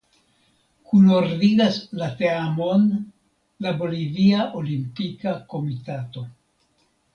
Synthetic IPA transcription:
kunoɾdiɾaslateamo̞n | laboliviaʔo̞limpikako̞mitato̞

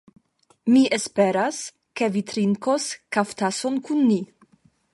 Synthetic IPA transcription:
miʔespe̞ɾas | ke̞vitɾiŋkoskaftasonkunːi

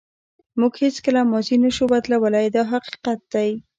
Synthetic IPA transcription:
muɡhet͡skəlamɔzinəʃubad̪lawəlajd̪ɑɦaqi̥qat̪̚d̪aj

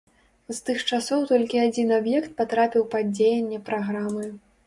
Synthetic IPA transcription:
zt̪ɨxt͡ʂasɔwt̪ɔlʲkʲiad͡zʲinabjɛkt̪̚pat̪ɾapʲiwpad͡zʲejɛnʲːɛpɾaɣɾamɨ

